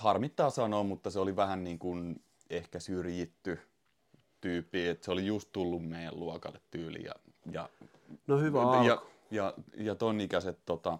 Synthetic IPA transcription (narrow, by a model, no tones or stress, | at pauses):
hɑrmit̪ːɑːsɑnoːmut̪ːɑseoliʋæhænniːŋkun | ehkæsyrjit̪ːy | t̪yːpːiːet̪seolijust̪t̪ulːummeijæ̰lluɑkɑ̰lːˑet̪t̪yːlḭjɑ̰jɑ̰ | nohyʋæɑjɑ̥ | jɑjɑt̪onikæset̪tot̪ɑ